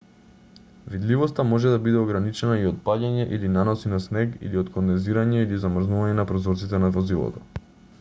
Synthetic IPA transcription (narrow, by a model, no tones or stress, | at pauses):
vid̪livɔst̪amɔʒɛd̪abid̪ɛɔɡɾanit͡ʃɛnaiɔt̪̚paɟaɲɛʔilinanɔsinasnɛɡḭliɔt̪konɛziɾaɲɛilizamr̩znuvaɲɛnapɾɔzɔɾt̪sit̪ɛnavɔzilˠɔ̰t̪ɔ̰